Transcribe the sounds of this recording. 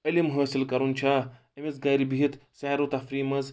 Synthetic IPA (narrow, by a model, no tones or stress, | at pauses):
ɐlimɦəːsilkɐɾunt͡ʃʰa | ɐmezɡɐjɾibiɦit̪saːɾot̪ɐfɾiːmɐz